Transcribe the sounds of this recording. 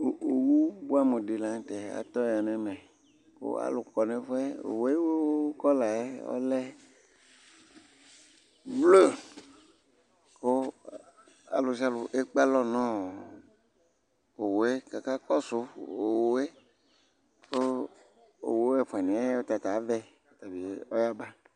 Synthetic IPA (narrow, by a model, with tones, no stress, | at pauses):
o˨wu˦bu˦a˦me˨di˨la˨ŋ˦tɛ˨a̰˨t̪ɔ˦˨a˨nɛ˨mɛ̃˨ | ko̰˦a̰˦lʊ˨kɔ˨ne˨fɛ˦o̰˨we˦wo˦kɔ˦la˨e˦ɔ̰˦lɛ˦ | vlo˦˨ | ko˦ | a̰˨lu˨s̬i˦a˦lu˨ʔe˦k͡pa˦lɔ˦nɔ̃˦˨ | o˨wo˨e˦ka˨ka˦kɔ˦so˨o˨wo˨˦e˦ | ko˦ | o̰˨wo˨˦e˦fɛ˨nĩ˨ɛ˦o˦t̪a˨t̪a˨˦vɛ˦ | t̪a˨bi˨e˦ɔ˦ja˦ba˦